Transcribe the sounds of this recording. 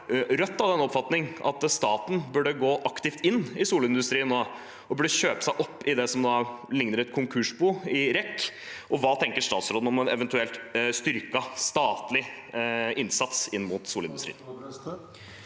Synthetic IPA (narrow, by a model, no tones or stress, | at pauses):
ɾœt̪ːɑʋd̪ɛnːɔpfɑt̪nɪŋʔɑ̰t̪st̪ɑːt̪n̩bʉɖəɡoːʔɑkt̪ɪft̪ɪnːɪsuːlɪnd̪ʉst̪ɾiːənːoː | ɔbʉɖːəɕøːpə̥sæɪʔɔpːɪd̪ɛsɔmd̪ɑːlɪŋnəɾɛt̪kʰʊŋkʰʉʂbuːɪɾɛkː | ʔɔʋɑːt̪ʰɛŋkəʂt̪ɑːt̪sɾoːd̪̩ɔmɛnɛʋɛnt̪ʉɛlt̪st̪ʏɾkɑst̪ɑːt̪lɪ | ʔɪnsɑt̪sɪnːmʊt̪suːlɪnd̪ʉsɾḭːən